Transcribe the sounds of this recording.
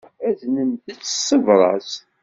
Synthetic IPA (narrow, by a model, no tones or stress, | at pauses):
æðnənd̪ət͡sːsːəvɾˤɑ̰s